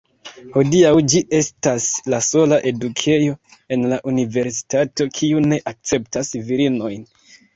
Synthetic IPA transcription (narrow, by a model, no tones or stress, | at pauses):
ho̞diawd͡ʒiʔe̞staslaso̞laʔe̞dukʰe̞jo̞e̞nlaʔunive̞ɾsi̥tato̞kʰiune̞ʔak̚t͡se̞ptasviɾino̞jn